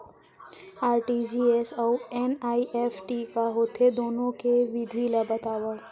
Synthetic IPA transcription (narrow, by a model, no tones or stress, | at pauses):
aːɾʈid͡ʒiːesɔːʊɛnaːiʔefʈikaɦoːt̪ʰed̪oːnõkeʋɪd̪ʱiləbɐt̪aːʋə